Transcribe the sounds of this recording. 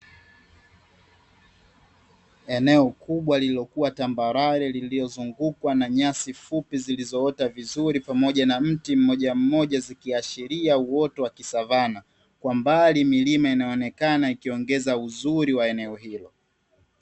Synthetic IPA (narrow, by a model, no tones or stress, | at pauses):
ɛnɛɔkuɓwalililɔkuwatambaɾaɾɛlililɔzuŋɡukwanaɲasifupizilizɔɔtavizuɾipamɔʄanam̩tim̩mɔʄam̩mɔʄazikiaʃiɾiauwɔtɔwakisavana | kwambalimilimainaɔnɛkanaikiɔŋɡɛzauzuɾiwaɛnɛɔɦilɔ